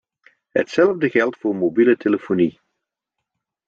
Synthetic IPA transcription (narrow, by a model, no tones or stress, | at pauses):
ɦə̰tsɛləvdəɣɛlˠtfʊːɹmobilətʰeləfoni